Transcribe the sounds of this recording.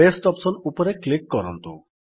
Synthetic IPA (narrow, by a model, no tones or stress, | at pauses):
esʈɔpsɔnupɔɾeklikːɔɾɔnt̪u